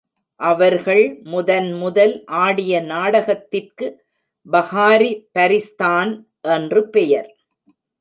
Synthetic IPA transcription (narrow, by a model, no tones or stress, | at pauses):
ʔɐʋɐɾɣɐɭmʊðɐnmʊðɐlʔaːɽɪjɐnaːɽɐɣɐt̪ːɪrkɯ | bɐɣaːɾipɐɾɪst̪aːn | ʔɛndrɯpɛjɐɾ